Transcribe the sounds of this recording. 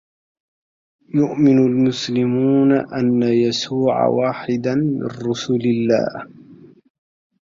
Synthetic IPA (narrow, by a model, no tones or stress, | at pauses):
jʊʔmɪnʊlmʊslɪmuːnaʔanːajasuːʕa̰waːħɪd̪anmɪ̰nɾʊsʊlɪlːa̰ːh